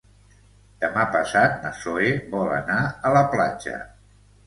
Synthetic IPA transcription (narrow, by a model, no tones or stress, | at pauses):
d̪̥əmapəsat̪̚nəsoeβɔlə̰naələplad͡ʒə̰